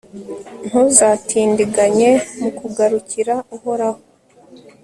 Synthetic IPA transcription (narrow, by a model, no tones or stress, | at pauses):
n̥huzaːtʰiːndiɡaɲe̞mukuɡaɾuciɾauhoɾaho